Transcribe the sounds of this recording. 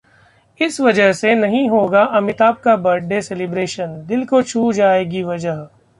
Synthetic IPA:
ɪsʋɐd͡ʒəɦsenɐɦĩɦoːɡaʔɐmɪt̪aːb̚kabɐɖːeselɪbɾeːʃənd̪ɪlkot͡ʃʰuːd͡ʒaːeːɡiʋɐd͡ʒəɦ

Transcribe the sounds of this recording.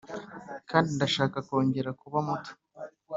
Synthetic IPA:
kaːndindaʃaːkako̞ːɲɟe̞ɾakuβamutu̥

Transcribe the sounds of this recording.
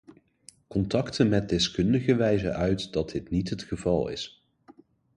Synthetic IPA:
kɔntɑktənmɛt̚dɪskɵndəχəʋɛjzə̰ʔœɥtdɑd̚dɪtnitɦətχəvɑlˠɪ̰s

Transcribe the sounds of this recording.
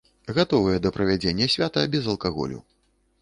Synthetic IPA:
ɣat̪ɔvɨjɛd̪ɐpɾɐvʲad͡zʲenʲːɐsʲvʲat̪ɐbʲɛzɐlˠkaɣɔ̰lʲṵ

